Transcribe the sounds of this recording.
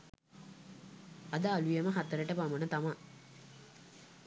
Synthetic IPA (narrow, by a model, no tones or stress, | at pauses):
ad̪aːlujeməɦat̪əɾəʈəpamənət̪ama